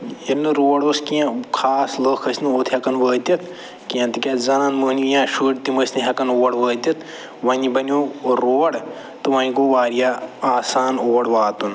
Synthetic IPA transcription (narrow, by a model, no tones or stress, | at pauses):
ɐlnːɨɾoːɽoːskiãkʰaːsləːkʰɐsʲnɨoːt̪ʰhɐkɐnʋəːt̪ʲɐt̪ | kiãnt̪ɨkʲazɐnãːnmuːnijãːʃuːʈt̪imɐsʲnɨɦʲɐkɐnoːɽʋəːt̪ʲɐt̪ | ʋɐnʲibɐnʲoːɾoːɽ | t̪ɨʋɐnʲkoːʋaːɾijaːaːsaːnoːɽʋaːt̪un